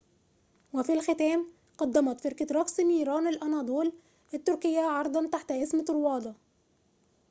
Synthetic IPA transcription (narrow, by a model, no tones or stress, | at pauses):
wɪfilxɪt̪æːm | qɑd̪ːæmɑt̪fɪɾkaɾˤɑksniːɾɑːnɪlʔɑnɑːd̪ˤuːl | ʔɪt̪ːʊɾkɪjːaʕɑɾˤd̪ˤɑnt̪aħt̪ʔɪsmɪɾwɑːd̪ˤɑ